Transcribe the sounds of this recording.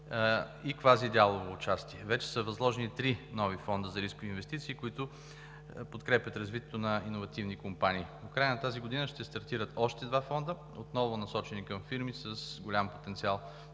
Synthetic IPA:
ikvazid̪ʲalˠovoːt͡ʃast̪iɛvɛt͡ʃɛ̥səvɐzlˠɔʒɛnit̪ɾinɔvifɔnd̪əzɐɾiskʊviːnvɛst̪it̪siːkoit̪ʊ | pot̪kɾɛpʲət̪ɾɐzvit̪ɛt̪onɐinovɐt̪ivnikompaniːpokɾajənɐt̪aziɡod̪inəʃt̪ɛst̪ɐɾt̪iɾət̪ɔʃt̪ɛd̪vafɔnd̪ə | ot̪nɔvʊnɐsɔt͡ʃɛnikəmfiɾmisəsɡolʲampot̪ɛnt̪sialˠ

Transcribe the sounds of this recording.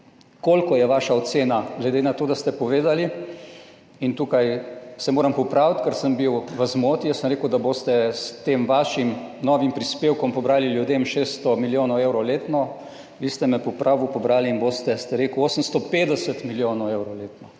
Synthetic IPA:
koːlkɔjɛʋaːʃaɔt̪seːnaɡlɛd̪eːnat̪oːd̪ast̪ɛpɔʋeːd̪ali | int̪uːkajsɛmoːɾampɔpɾaːwt̪kəɾsəmbiwʋəzmoːt̪ijəsəmɾeːkʊwd̪aboːst̪ɛst̪eːmʋaːʃimnɔːʋimpɾispeːwkɔmpɔbɾaːliljud̪emʃeːst̪ɔmiljoːnɔweːwɾɔwleːt̪nɔ | ʋiːst̪ɛmɛpɔpɾʔaːbupɔbɾaːliːnboːst̪ɛst̪ɛɾeːkuoːsəmst̪ɔpeːd̪ɛsət̪miljoːnɔweːwɾɔleːt̪nɔ

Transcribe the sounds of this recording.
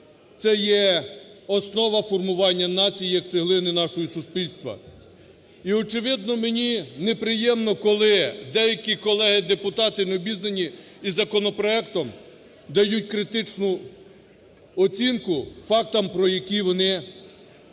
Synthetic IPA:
t̪sɛjɛ | ɔsnɔʋɐfɔrmʊʋɑnʲːɐnɑt͡sʲijijɐk̚t͡s̪ʲɪɦlˠɪnɪnɑʃɔɦisʊspʲilʲst̪ʋɐ̰ | iɔt͡ʃɪʋɪd̪̚nɔmenʲinepɾɪjɛmnɔkɔlˠɪd̪ɛjɐkʲikɔlˠɛɦɪd̪epʊt̪ɑt̪ɪnɔbʲiznenʲiː | zɐkɔnɔpɾɔɛkt̪ɔm | d̪ɐjut̚ʲkɾɪt̪ɪt͡ʃnʊ | ɔt͡sʲinkʊfɑk̚t̪ɐmpɾɔjɐkʲiʋɔnɪ

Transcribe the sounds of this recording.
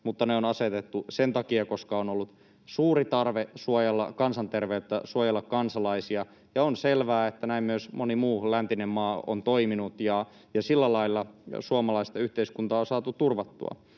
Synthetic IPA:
mut̪ːɑneonɑset̪et̪ːusent̪ɑkiɑko̞skɑonolːut̪ | suːrit̪ɑrʋesuojelːɑ̰kɑnsɑnt̪erʋeyt̪ːæsuojelːɑkkɑnsɑlɑisiɑ | jɑonselʋæːet̪ːænæimmyøsmonimuːlænt̪inemmɑːo̰nt̪oiminut̪jɑ | jɑsilːælɑilːɑsuɑmɑlɑist̪ɑyht̪eiskunt̪ɑːonsɑːt̪ut̪urʋɑt̪ːṵɑ̰

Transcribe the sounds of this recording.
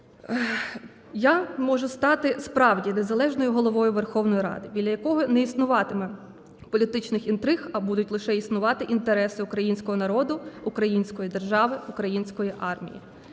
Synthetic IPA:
jamɔʒʊst̪ɑt̪ɪspɾɑwdʲinezɐlˠɛʒnɔjʊɦɔlˠɔʋɔjʊʋerxɔwnɔjiɾɑ̰d̪ɪbʲid̪ʲɐjɐkɔɦɔnɛisnʊʋɑt̪ɪmɛ | pɔlʲit̪ɪt͡ʃnɪxint̪ɾɪxɐbud̪ʊtʲlˠɪʃɛisnʊʋɑt̪ɪʔint̪eɾɛsɪʊkɾɐjinʲsʲkɔɦɔnɐɾɔd̪ʊukɾɐjinʲsʲkɔjid̪erʒɑʋɪʊkɾɐjinʲsʲkɔjiʔɑrmʲḭjḭ

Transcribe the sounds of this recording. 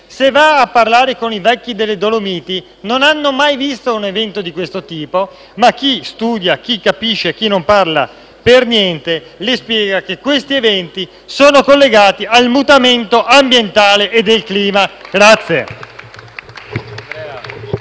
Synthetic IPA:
sevaːpːarlaːɾekonivɛkːid̪elːed̪olomiːt̪i | nonanːomajvist̪ounevɛnt̪od̪ikwest̪ot̪iːpo | mak̟ːist̪uːd̪jak̟ikːapiʃːek̟inːomparla̰ | pernjɛnt̪e | lespjɛːɡak̟ekwest̪ievɛnt̪i | soːnokolːeɡaːt̪ialmut̪ament̪oʔambjent̪aːleʔed̪ːelkliːmaɡ̥ɾat̪sːje

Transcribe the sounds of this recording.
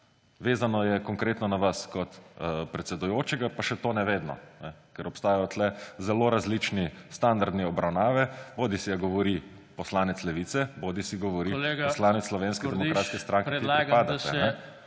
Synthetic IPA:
ʋeːzanɔjɛkɔŋkɾeːt̪nɔnaʋaskɔt̪pɾɛt̪sɛd̪ujoːt͡ʃɛɡapaʃɛt̪onɛʋeːd̪nɔ̰nɛkɛɾɔpst̪aːjajɔt̪lɛzɛloːɾazlit͡ʃnist̪and̪aɾd̪niɔbɾawnaːʋɛboːd̪isijaɡɔʋɔɾi | pɔslaːnɛt̪slɛʋit̪sɛboːd̪isiɡɔʋɔɾileɡposlaːnɛt̪sːlɔʋeːnskɛd̪ɛmɔkɾaːt̪skɛst̪ɾãŋkeɾkiaipaːd̪at̪ɛnɛ

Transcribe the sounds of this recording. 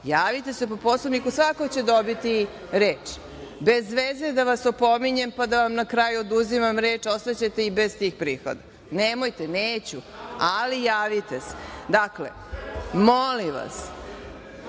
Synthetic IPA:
jaːʋit̪e̞se̞po̞poslomnikusʋako̞t͡ɕe̞d̪obit̪i | ɾeːt͡ʂ | be̞zʋezed̪aʋasopo̞miɲe̞mpad̪aʋamnakɾaːjuod̪uzimamɾeːt͡ʃo̞st̪at͡ɕet̪e̞ibe̞zt̪iːxpɾiːxo̰d̪a | nemo̞jt̪e̞neːt͡ɕu | alijaːʋit̪e̞se̥d̪aklḛ | moliʋa̰s

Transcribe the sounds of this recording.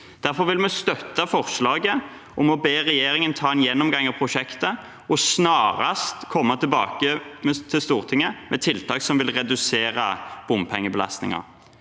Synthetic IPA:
d̪̥æʁfɔɾʋɪlmɛst̪œt̪ːɑfɔʁʂlɑːɡə | ʔɔmɔbeːʁɛjeːɾɪŋənt̪ʰɑːɛnjɛnːɔmɡɑŋːɑpʰʁʊʂɛkt̪ə | ɔsnɑːɾɑst̪kʰɔmːɑt̪ʰɪlbɑ̰ːkəmɛt̪ʰɪlst̪uːʁt̪ʰɪŋːəmʔɛt̪ʰɪlt̪ʰɑːksɔmʋɪlʁɛd̪ʉseːɾɑb̥ʊmpʰɛŋːəbəlɑ̰st̪nɪ̰ŋɑ̰ʁ

